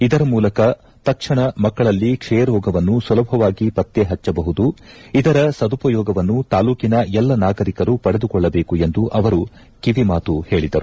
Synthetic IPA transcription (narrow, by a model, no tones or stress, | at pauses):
id̪ɐɾɐmuːlɐkɐ | t̪ɐkʂɐɳɐmɐkːɐɭɐlːikʂɛːjɐɾjɔːɡɐʋɐnːusulɐbʱɐʋaːɡipɐt̪jeɦɐt͡ʃːɐbɐɦud̪uid̪ɐɾɐsɐd̪upɐjɔːɡɐʋɐnːut̪aːluːkinɐɛlːɐnaːɡɐɾikɐɾupɐɽe̞d̪ukɔɭːɐbeːkue̞nd̪uʔɐʋɐɾu | kiʋimaːt̪uhe̞ːɭid̪ɐɾu